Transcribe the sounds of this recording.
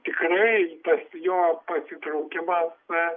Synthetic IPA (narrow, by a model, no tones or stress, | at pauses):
t̪ʲɪkrɐɪt̪ɐsjoːpɐsʲɪt̪ɾɐʊkʲɪmɐs